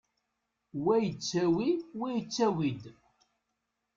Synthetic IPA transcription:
wæjət͡sːæwiwæjət͡sːæwid̪

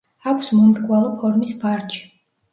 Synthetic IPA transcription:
akʷʰsmumɾkʼwalˠɔpʰɔɾmisbaɾt͡ʃʰi̥

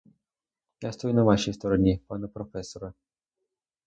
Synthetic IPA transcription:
jast̪ɔjunɐvaʃijst̪ɔɾɔnʲipanɐpɾɔfɛsɔɾɐ

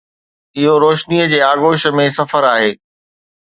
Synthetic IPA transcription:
ɪɦoɾoːʃniəd͡ʑeːaːɣoːʃə̆mẽsɐfəɾaːɦeː

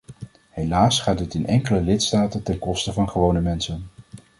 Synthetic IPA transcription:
ɦejlaːsχaːd̚ɪtɪnɛŋkələlɪtstaːtəntɛnkɔstəvɑnχəʋownəmɛnsən

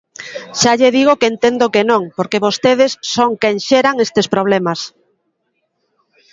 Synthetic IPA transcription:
ʃaʎeðiɣ̞okeent̪end̪okenõŋpoɾkeβost̪eð̞esːoŋkɛŋʃeɾaŋest̪espɾoβ̞lɛmas

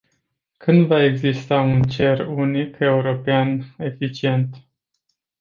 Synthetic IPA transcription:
kʰɨnd̪vae̞ɡzist̪aunt͡ʃe̞runike̞uɾo̞peane̞fit͡ʃie̞nt̪

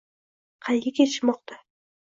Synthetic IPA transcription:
qʰɑjɡʲɪkʲet̪ʰɪ̥ʃmɒqt̪ʰa

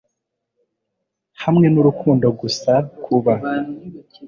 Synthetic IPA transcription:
hamŋe̞nuɾukʰuːndaɡusakʰuβa

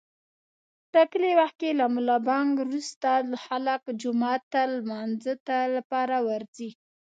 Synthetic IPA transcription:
ʈakəlewaxt̪̚kelamulɑbɑŋɡɾust̪axalakd͡ʒʊmɑt̪ːalmɑnzət̪alapɑɾawaɾzi

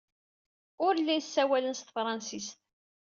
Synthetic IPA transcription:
ʊɾlːinsːæwælənst̪fɾˤɑnsist̪

